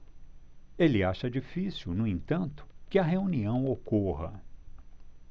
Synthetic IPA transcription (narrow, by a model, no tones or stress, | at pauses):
elɪaʃɐd͡ʒifisiwnʊẽnt̪ɐ̃nt̪ʊ̥kɪɐɦeuniɐ̃w̃okoɦɐ̰